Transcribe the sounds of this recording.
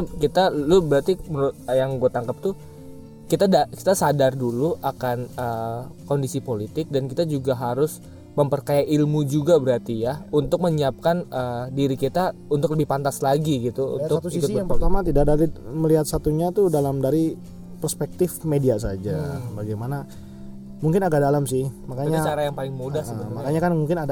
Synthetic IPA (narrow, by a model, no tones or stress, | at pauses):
akit̪alʊbəɾart̪iməɾʊt̪̚əjaŋɡuat̪aŋkap̚t̪u | kit̪adaki̥t̪asadarduluʔakanəkondisipolit̪ɪk̚dankit̪ad͡ʒuɡaɦaɾʊs | məmpərkajaʔilmud͡ʒuɡabəɾart̪ijaunt̪ʊk̚məɲiap̚kanədiɾikit̪aunt̪ʊkləbɪhpant̪aslaɡiɡit̪uṵnt̪ʊkt̪uiikʊŋɾt̪amat̪idadaɾiməliɦat̪̚sat̪uɲat̪udalamdaɾi | pərspɛk̚t̪ɪfmediasad͡ʒabaɡajmana | muŋkɪnaɡadalamsɪhmakaɲat͡ʃaɾajaŋpalɪŋmudahsəəmakaɲakanmuŋkɪnada